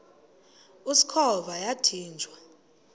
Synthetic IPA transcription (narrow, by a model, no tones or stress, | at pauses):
usi̥kʰɔβajatʰiːnd͡ʒʱwa